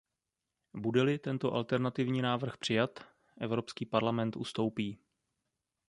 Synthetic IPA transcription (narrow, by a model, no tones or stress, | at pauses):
budɛlɪt̪ɛnt̪oʔalt̪ɛɾnat̪ɪvɲiːnaːvr̩xpr̝̥ɪjat̪ | ʔɛvɾo̞pskiːpaɾlamɛnt̪ʔust̪o̞wpiː